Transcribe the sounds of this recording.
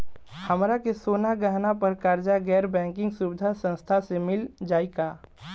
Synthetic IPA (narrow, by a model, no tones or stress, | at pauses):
hɐmɾakesoːnaɡəɦnapɐɾkaːɾd͡ʒaɡɛːɾbɛ̃ːŋkɪ̃ŋɡsuːbɪd̪ʱasə̃nst̪ʰasemɪld͡ʒaːikaː